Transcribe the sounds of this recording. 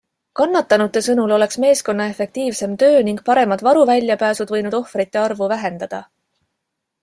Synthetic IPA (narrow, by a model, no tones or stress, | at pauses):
kɑnːɑt̪ːˑɑnut̪ːˑe̞sɤnulo̞le̞ksme̞ːsko̞nːɑe̞fe̞k̚t̪iːvse̞mt̪ø̞ːniŋɡ̥̚pɑɾe̞mɑd̪̥vɑɾuvælʲjɑpæːsud̪̥vɤ̞jnud̪̥o̞hfɾit̪ːe̞ɑrvuvæɦe̞nd̪̥ɑd̪̥ɑ